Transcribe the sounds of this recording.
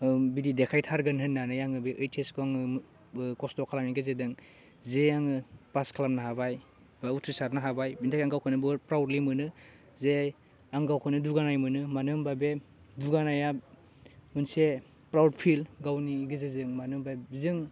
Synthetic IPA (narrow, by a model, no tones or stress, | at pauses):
bididekʰajtʰaɾɡɯnɦɯnːanɯjaŋɯbeʔɯjtʰeskoaŋɯ | kɔstɔkʰalamniɡɯzedɯŋ | zejaŋɯpaskʰalamnaɦabaj | bautʰɾisaɾnaɦabajbintʰakaŋɡawkʰɯnɯbɯɾpɾawdlimɯnɯ | ze | aŋɡawkʰɯnɯduɡanajmɯnɯmanɯmbabe | duɡanaja | mɯnse | pɾawd̚pʰilɡawniɡɯzezɯŋmanɯmbajbzɯŋ